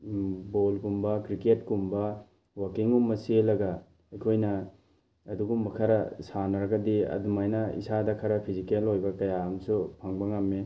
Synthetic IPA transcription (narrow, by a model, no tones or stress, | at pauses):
bolkumbɐkɾiketkumbɐ | wakiŋumːɐselɐɡɐ | ɐjkʰojnɐː | duɡumbɐkʰɐɾɐsanɐɾɐɡɐdiɐ̰dumajnɐḭsadɐkʰɐɾɐpʰizikelojbɐkɐjaaŋsupʰɐŋbɐŋɐmːe